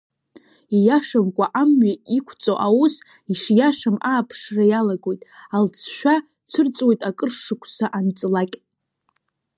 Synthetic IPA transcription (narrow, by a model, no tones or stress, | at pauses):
ijaʂamkʷʼaʔamɥaikʷʰt͡sʼo̰ʔawus | iʂjaʂamaːpʰʂrajalaɡojtʼalt͡sʰʃᶣʷa | t͡sʰɨrt͡sʼwe̞jtʼakʼɨrʂɨkʷʰsaʔant͡sʼɨlakʲʼ